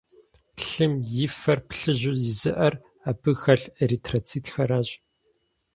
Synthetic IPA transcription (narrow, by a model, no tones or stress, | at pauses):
ɬɨmjɪfɐrpɬɨʑʊzɪzɨʔɐr | abɨxɐɬeɾitʰrot͡sʰiːtxɐɾaːɕʼ